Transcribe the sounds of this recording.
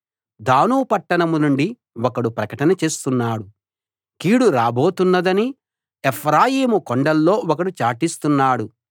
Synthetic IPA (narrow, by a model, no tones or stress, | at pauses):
d̪aːnuːpɐʈːɐnɐmunuɳɖi | wɔkɐɽupɾɐkɐʈɐnɐt͡ʃe̞ːst̪unːaːɽu | kiːɽuɾaːbo̞ːt̪unːɐd̪ɐni | epʰɾaːjiːmukoɳɖɐlːo̞ːɔkɐɽut͡ʃaːʈist̪unːaːɽu